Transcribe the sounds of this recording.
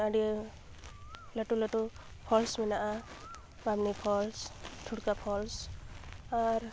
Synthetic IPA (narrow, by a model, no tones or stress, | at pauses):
aɖi | ləʈuləʈu | pʰɔlsmɛnaʔa | bamnipʰɔlstʰuɽkapʰɔls | aɾ